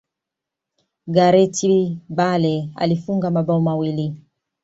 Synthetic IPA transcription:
ɡaɾɛtibalɛa̰lifuŋɡamaɓaɔmawili

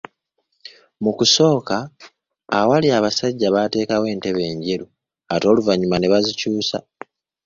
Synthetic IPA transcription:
mukuso̞ːkaː | waliaβasaɟːaβate̞ːkawe̞ːnte̞βe̞ːɲɟeɾu | ato̞ːluvaɲumane̞βazicuːsa̰

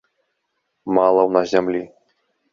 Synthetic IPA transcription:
malˠɐwnazʲamlʲi

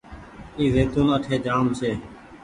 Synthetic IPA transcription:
iːzeːt̪uːnəʈʰeːd͡ʒaːmseː

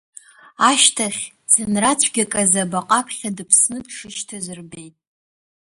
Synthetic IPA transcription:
aʃtʰaχʲ | z̥ɨnrat͡ɕʷʰɡʲakʼazabaqʼapʰχʲadɨpʰsnɨdʂɨʃtʰazɨrbe̞jtʼ

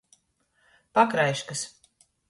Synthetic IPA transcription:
pakɾajʃkas

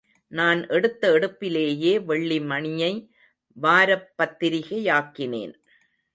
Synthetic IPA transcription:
naːnʔɛɽɯt̪ːɐɛɽɯpːɪleːjeːʋɛɭːimɐɳɪjɐɪ | ʋaːɾɐpːɐt̪ːɪɾɪɣɐjaːkːɪnḛːn

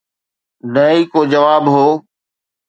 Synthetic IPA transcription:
nəiːkoːd͡ʑəʋaːbɦoː

